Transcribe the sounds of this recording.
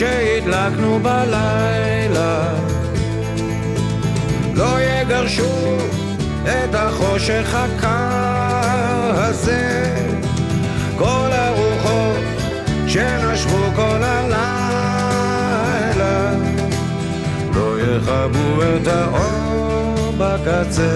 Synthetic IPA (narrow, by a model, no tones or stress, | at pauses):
ʃehit̪laknubala | j | la | lojɛɡaʁʃu | ɛt̪haχo̞ʃeχhakʰa | haze | kolaʁuχot | ʃɛnaʃʁukolala | jla | lojɛχabuɛt̪haʔo | bakat͡se